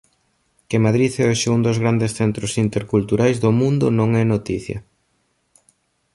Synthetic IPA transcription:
kɪmaðɾiθɛoʃeund̪ozɣɾand̪esθɛnt̪ɾʊsint̪eɾkult̪uɾajzðomũnd̪ʊnõŋɛnot̪iθjɐ̰

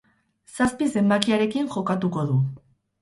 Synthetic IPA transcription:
saspise̞mbakiaɾe̞kiŋʝo̞kat̪uko̞ðu

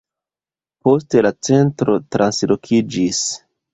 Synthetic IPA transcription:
po̞ste̞lat͡se̞ntɾo̞tɾʔanslo̞kʰid͡ʒis

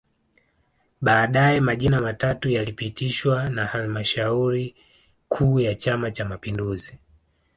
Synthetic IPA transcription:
ɓaːɗajɛmaʄinamatatujalipitiʃwanahalmaʃauɾi | kʰuːjat͡ʃamat͡ʃamapinduzi

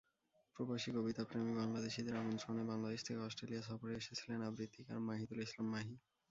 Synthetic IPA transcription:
pɾobaʃikobit̪apɾemibaŋlad̪eʃid̪eɾamont̪ɾonebaŋlad̪eʃt̪ʰekeɔsʈɾelijasɔfoɾeeʃet͡sʰilenabɾit̪ːika̰ɾmaɦid̪ulislamːaɦi

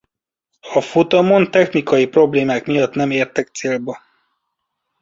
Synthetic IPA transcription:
ɒfot̪omont̪ɛxnikɒjipro̞bleːmaːkmijɒt̪nɛmeːrt̪ɛkt̪seːlbɛ

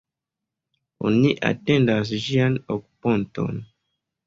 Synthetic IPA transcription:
o̰niʔa̰tẽndas̬ʒianoku̥põnto̰n

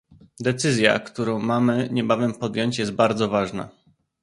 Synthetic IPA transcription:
d̪ɛt̪sɘzʲja̰kt̪uɾɔ̃w̃mamɘɲɛbavɛmpɔd̪ʲjɔɲt͡ɕjɛst̪̚baɾd̪zɔvaʐna̰

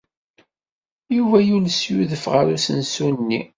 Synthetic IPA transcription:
juvæjulsjuðəfʁəɾusənsunnːi

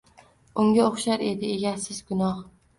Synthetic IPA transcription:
ʊŋɡʲaoχʃaɾe̞d̪ɪeɡʲasɪzɡʊnɒh

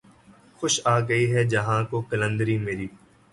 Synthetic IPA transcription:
xʊʃaːɡɐiɦɛd͡ʒɐɦãkokɐlə̃nd̪əɾimeːɾiː

